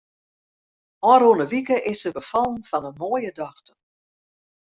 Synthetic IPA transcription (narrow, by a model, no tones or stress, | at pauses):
ɔɾonəʋikəʔɪsəbəfɑlˠənfɔnənmoəjədɔxtə